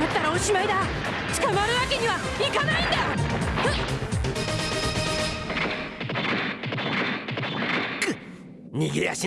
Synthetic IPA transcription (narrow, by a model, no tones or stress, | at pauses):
mat̪ːaɾaoɕimaid̪a | t͡ɕi̥kamaɾɯ̟βake̞ɲiβa | ikanaĩnd̪ajo | kɯ | ɲiɡʲiɾeja̰ɕi